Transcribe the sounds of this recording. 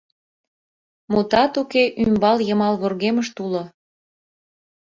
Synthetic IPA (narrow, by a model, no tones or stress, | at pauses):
mot̪ɑt̪ukeʔymbɑljəmɑlβorɣeməʃt̪ulo